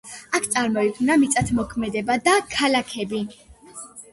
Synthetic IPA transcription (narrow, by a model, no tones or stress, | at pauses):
akʰt̪sʼaɾmɔiɡʰnamit̪sʼat̪ʰmɔkʰmɛd̪ɛbad̪akʰalakʰɛbi